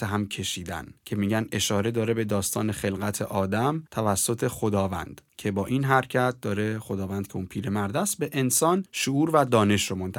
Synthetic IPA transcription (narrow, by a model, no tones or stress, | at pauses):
æɦæmkʰe̞ʃiːd̪æ̰ncʰe̞miːɟæne̞ʃɒːɾe̞d̪ɒːɾe̞be̞d̪ɒːst̪ʰɒ̰ːne̞xe̞lɣæt̪ʰe̞ʔɒːd̪æmt̪ʰævæsːot̪ʰe̞χo̞d̪ɒːvæ̰nd̪̥cʰe̞bɒːʔinɦæɾcʰæt̪̚d̪ɒːɾe̞χo̞d̪ɒːvænd̪̥̚kʰeunpʰiːɾe̞mæɾd̪æst̪̚be̞ʔensɒːnʃoʔuːɾvæd̪ɒːne̞ʃɾomont̪ʰ